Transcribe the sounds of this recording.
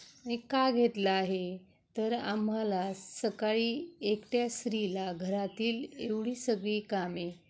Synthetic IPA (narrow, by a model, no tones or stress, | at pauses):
ikːaɡʱet̪laːɦe | t̪əɾam̤ːalasəkaɭiːekʈjasɾilaɡʱəɾat̪iːleʋɽiːsəɡɭiːkame